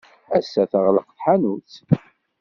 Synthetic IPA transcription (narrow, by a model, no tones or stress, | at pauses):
æsːæθəʁləqθħanut͡s